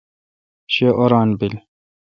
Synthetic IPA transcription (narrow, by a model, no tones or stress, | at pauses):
ɕeʔoɾɑːnbil